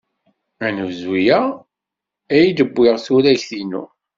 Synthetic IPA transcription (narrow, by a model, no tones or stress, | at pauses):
ænəvzijæ | æjid̪əbːɪʁθuɾæçθinṵ